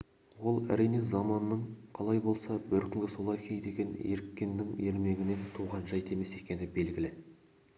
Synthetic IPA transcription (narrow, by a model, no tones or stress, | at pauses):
wo̞lˠæ̰ɾijne̞zɑmɑnːəɴqʰɑlˠɑjbo̞lˠsɑbɪɾkʲʰʏŋɡʲɪso̞lˠɑjkʲʰe̞jd̪e̞ɡʲe̞neɾkʲːenːɪŋe̞ɾme̞ɡʲɪne̞nt̪ʰuʁɑnʒɑjt̪e̞me̞se̞kʲe̞nɪbe̞lɡʲɪlɪ